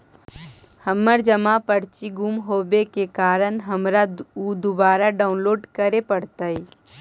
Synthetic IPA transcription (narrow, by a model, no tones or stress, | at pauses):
həmːəɾd͡ʒəmapəɽt͡ʃiɡumɦoːbekekaːɾənɦəmɾaud̪ʊbaːɾaɖaːʊnloːɖkəɾepəɽt̪ai